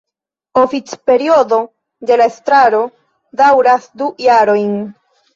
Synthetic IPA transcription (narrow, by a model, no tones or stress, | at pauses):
o̞fit͡spe̞ɾio̞do̞ | de̞laestɾaɾo̞ | dawɾasdujaɾo̞jn